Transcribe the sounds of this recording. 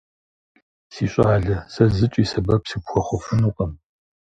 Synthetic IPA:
siːɕʼaːɮɐsɐzɨt͡ʃʼiːsɐbɐpsiːpxʷɔχʷʊfʊnuːqʼɐm

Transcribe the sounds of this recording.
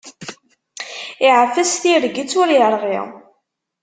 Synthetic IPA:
iʕəfːæsθiɾɡit͡sːʊɾjəɾˤʁḭʁ

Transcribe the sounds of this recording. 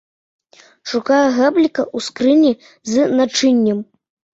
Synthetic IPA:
ʂukajɛɣablʲikɐʔuskɾɨnʲi | zɨnat͡ʂɨnʲːɐm

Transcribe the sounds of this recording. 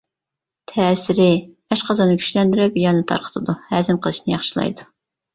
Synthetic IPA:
t̪ʰɛːsɪɾɪ | ɛʃqɑzɑnɨkʲʰy̥ʃlɛnd̪yɾɛpjɑnɨt̪ʰɑ̰ɾqʰə̥t̪ʰɨd̪uhæːzɪmqʰəlˠɨʃnɨjɑχʃilˠɑ̰jd̪u

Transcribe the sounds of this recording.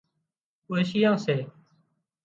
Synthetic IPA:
əːʃɪjãːseː

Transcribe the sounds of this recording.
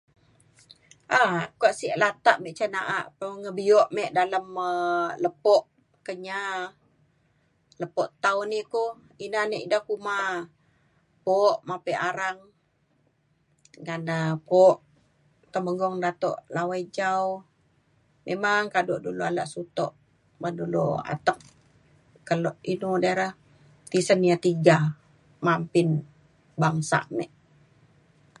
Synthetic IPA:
ʔahkaʔsiʔlat̪aʔmɛʔt͡ʃanaʔaʔpəŋəbiɔʔmɛʔdaləmələpɔʔ | kəɲa | ləpɔʔt̪awniko | inaneʔdahkuma | poʔmapəʔaɾaŋ | ŋanəpɔʔ | t̪əməɡɔŋdat̪ɔ̰ʔlawajd͡ʒaw | mʔemaŋkadɔʔduloala̰ʔsut̪ɔ̰ʔ | madulo̰a̰t̪ək̚ | kəlɔʔinudaɾəh | t̪isənijat̪iɡa | mampin | baŋsa̰ʔnɛ̰ʔ

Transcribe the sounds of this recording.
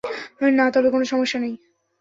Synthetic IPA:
nat̪ɔbekonoʃɔmoʃːanej

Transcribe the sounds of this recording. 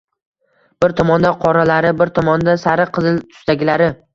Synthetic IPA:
b̥ɪɾt̪ʰɒmɒnd̪aqʰɒɾalaɾɪbɪɾt̪ʰɒmɒnd̪asaɾɪqʰɨzɪlt̪ʰʊ̥st̪aɡʲɪlaɾɪ

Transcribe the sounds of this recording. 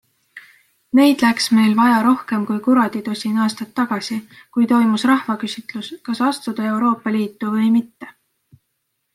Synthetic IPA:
ne̞jd̪̥læksme̞jlvɑjɑɾo̞hke̞mkujkuɾɑd̪̥it̪usʲinɑːst̪ɑt̪ːɑɡ̥ɑsikujt̪o̞jmusrɑhvɑkysʲit̪luskɑsɑst̪ud̪̥ɑe̞wɾo̞ːpˑːɑliːt̪ˑːuvɤjmit̪ːe̞

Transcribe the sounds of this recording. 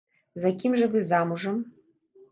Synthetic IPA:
zakʲimʐɐvɨzamuʐɨm

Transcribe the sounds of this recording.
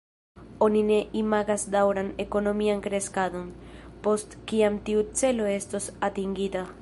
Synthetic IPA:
o̞nine̞ʔimaɡasd̪awɾane̞ko̞no̞miankɾe̞skado̞npo̞st̪kiamt̪iut͡se̞lo̞e̞st̪o̞sat̪iŋɡit̪a

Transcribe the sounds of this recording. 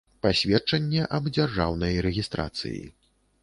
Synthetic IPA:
pasʲvʲɛt͡ʂɐnʲːɛʔɐbd͡zʲarʐa̰wnɐjɾɛɣʲist̪ɾa̰t̪sɨ̰jḭ

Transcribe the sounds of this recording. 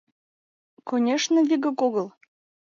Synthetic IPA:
konʲeʃnə̆vʲiɡə̆koɣəlˠ

